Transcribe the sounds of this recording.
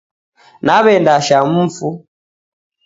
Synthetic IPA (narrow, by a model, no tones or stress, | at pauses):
naβɛndaʃam̩fu